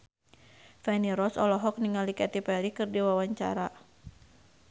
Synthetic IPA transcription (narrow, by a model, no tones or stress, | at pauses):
fɛniɾɔsɔlɔɦɔk̚niŋalikɛt̪ipɛɾikɨrdiwawaɲt͡ʃa̰ɾa